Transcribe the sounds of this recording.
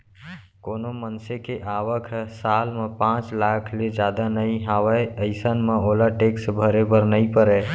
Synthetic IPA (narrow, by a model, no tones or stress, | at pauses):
konomənsekeʔaʋəkʰsalmepãt͡ʃlakʰled͡ʒad̪anəjɦawəəɪsənmeolaʈeksbʱəɾebəɾnəjpəɾɛ